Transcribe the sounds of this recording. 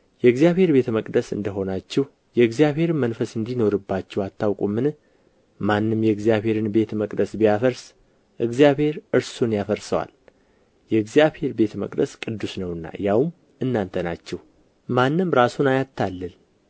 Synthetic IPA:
jɛɨɡzjaβhe̞ɾbe̞t̪ʰəməkʼd̪əsɨ̰nd̪əɦo̞nat͡ʃːɛw | jɛɨɡzijaβhe̞ɾɨmənfəsɨnd̪ino̞ɾɨbːat͡ʃːɛwat̪ʰːawkʼumːɨn | manːɨmjɛɡzijaβhe̞ɾɨnbe̞t̪ʰməkʼd̪əsbijafəɾs | ʔɨɡzijaβhe̞ɾɨɾsunjafəɾsəwa̰l | jɛɨɡzijaβhe̞ɾbe̞t̪ʰmə̰kʼd̪ə̰skʼɨd̪ːusnəwɨnːa̰jawm | ɨnːant̪ʰəna̰t͡ʃːɛh | manːɨmɾasunajat̪ʰːalːɨl

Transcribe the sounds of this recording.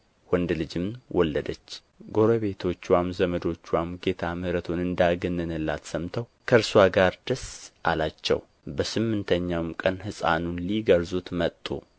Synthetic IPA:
wɔnd̪lɨd͡ʒɨmwɔlːəd̪ət͡ʃː | ɡo̞ɾəβe̞t̪ʰo̞t͡ʃːwamzəməd̪o̞t͡ʃːuwamɡe̞t̪ʰamɨhɾət̪ʰonɨnd̪aɡɨnːɨnɨlːa̰t̪səmt̪ʰəwkʰəɾswaɡaɾd̪̥əsʔa̰lat͡ʃːɛ̰w | bəsɨmːɨnt̪ʰəɲːawmkʼənhɨsʼa̰nunliɡəɾzut̪mət̪ʼːṵ

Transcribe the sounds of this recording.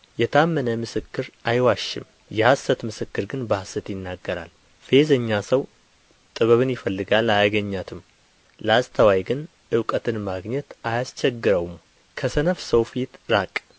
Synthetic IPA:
jɛt̪ʰamːənəmɨsɨkːɨɾajwaʃːɪ̰m | jɛhasət̪mɨsɨkːɨɾɡɨnbahsɨt̪jɪnːaɡːəɾa̰l | fe̞zəɲːasəw | t̪ʼɨβəβɨnjɪfəlːɨɡalajaɡəɲːat̪ʰɨm | ləast̪ʰəwajɡɨn | ʔɨwkʼət̪ʰɨnmaɡɲɛt̪ajast͡ʃʰɛɡːɨɾəwm | kʰəsənəfsəwfit̪ɾakʼ

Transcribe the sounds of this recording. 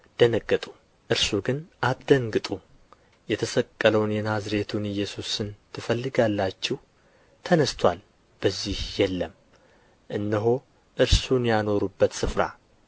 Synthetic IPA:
d̪̥ənəɡət̪ʼu̥ | ʔɨɾsuɡɨnʔat̪d̪əŋɡɨt̪ʼu | jɛt̪ʰəsəkʼːələwnjɛnazɾe̞t̪ʰunɨjːɛsusɨnt̪ʰɨfəlːɨɡalːat͡ʃːɛh | t̪ʰənəst̪ʰwal | b̥əzːihjɛlːəm | ʔɨnːɨɦo | ʔɨɾsunjano̞ɾubːət̪sɨfɾa̰

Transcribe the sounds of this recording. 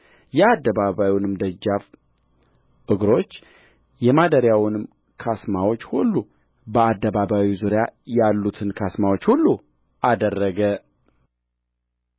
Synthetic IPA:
jɛad̪ːəβaβawjwnɨmd̪əd͡ʒːaf | ʔɨɡɾo̞t͡ʃː | jɛmad̪əɾjawnɨm | kʰasmawo̞t͡ʃːhulːu | bəad̪ːəβaβawizuɾjajalːut̪ʰɨnkʰasmawo̞t͡ʃːhulːu | ʔad̪ərːəɡə

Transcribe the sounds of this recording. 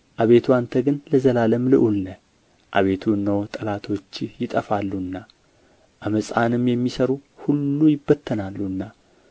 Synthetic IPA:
ʔaβe̞t̪ʰuant̪ʰəɡɨnləzəlaləmlɨʔulnə | ʔa̰βe̞t̪ʰuɨnːəwt̪ʼəlat̪ʰo̞t͡ʃːjɪt̪ʼəfalːuɨnːa | ʔaməsʼanɨmjɛmːisəɾuhulːujɪbːət̪ʰːənalːuɨnːa

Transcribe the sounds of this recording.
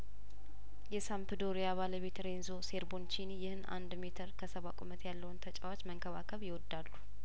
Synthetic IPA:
jɛsampɨd̪o̞ɾijaβaləβe̞t̪ɾe̞nzoseɾbo̞nt͡ʃʰinijɪhɨna̰nd̪met̪ʰəɾkʰəsəβakʷʼumət̪jalːəwunt̪ʰət͡ʃʼawat͡ʃːməŋkʰəβa̰kʰəβjɪwɔd̪ːalːu

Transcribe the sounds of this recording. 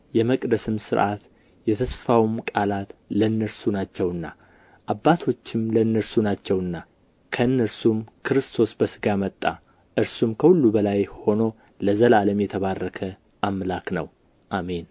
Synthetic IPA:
jɛməkʼd̪əsɨmsɨɾʔat̪ | jɛt̪ʰəsfawmkʼalat̪lənːəɾsunat͡ʃːɛwɨnːa | ʔabːat̪ʰo̞t͡ʃːɪmlənːəɾsunat͡ʃːɛwɨnːa | kʰəɨnːəɾsumkʰɨɾɨst̪ʰo̞sbəsɨɡamət̪ʼːa | ʔɨɾsumkʰəhulːubəlajho̞no̞ | ləzəlaləmjɛt̪ʰəβarːəkʰə | ʔamlaknə̰w | ʔame̞n

